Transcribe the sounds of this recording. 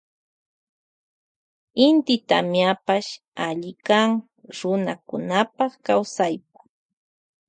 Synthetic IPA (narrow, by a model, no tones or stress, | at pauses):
ɪnt̪ɪt̪a̰mjapaʃ | aʎɪkaŋ | ɾʊnakʊnapɑχkawsajp̚ḁ